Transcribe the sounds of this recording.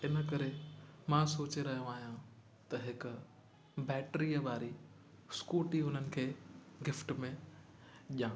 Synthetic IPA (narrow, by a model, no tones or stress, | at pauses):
ɪnə̆kɐɾemãːsoːt͡ɕeɾɐɦijõaːɦijã | t̪ɐɦɪkʊ | bɛːʈɾiːəʋaːɾi | skuːʈiɦʊn̤ənɪ̆kʰeːɡɪfʈmẽ | ʄãː